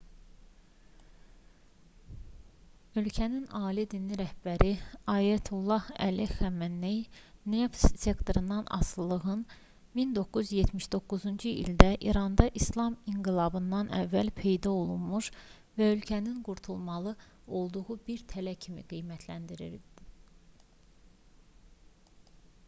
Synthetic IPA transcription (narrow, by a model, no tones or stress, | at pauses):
ø̞lcʰæninɑːlid̪inːiɾæhb̥æɾiɑːjæt̪ʰulˠːɑhæ̰lixæmænːejnefsse̞kt̪ʰoɾɯnd̪ɑnɑ̰slɯlˠɯɣɯn | mind̪o̞kːuzjet̪ʰmiʃd̪o̞kːuzund͡ʒuḭld̪æʔiɾɑnd̪ɑʔislˠɑmiŋɡilˠɑbɯnd̪ɑnæ̰vːælpʰe̞jd̪ɑo̞lˠunmuʃ | væø̞lcʰæninɡuɾt̪ʰulˠmɑlˠɯ | o̞lˠd̪uɣubiɾt̪ʰælæcʰimḭɡ̥ijmæt̪ʰlænd̪iɾḭɾ